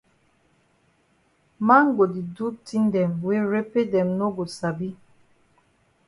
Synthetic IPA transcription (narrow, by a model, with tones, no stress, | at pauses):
ma˦ŋ˦ɡo˨di˨du˦ti˦n˦dɛ˨mwe˦ɾe˦pe˦dɛ˨mno˦ɡo˨sa˨bi˦